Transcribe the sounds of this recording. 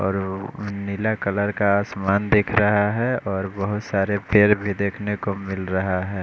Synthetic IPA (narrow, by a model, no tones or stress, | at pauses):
ɔːɾnilakələɾkaːsmaːnd̪ekʰɾɐɦaɦɛɔːɾbəɦʊt̪saːɾepeːɾbʱid̪eːkʰnekomɪlɾɐɦaɦɛː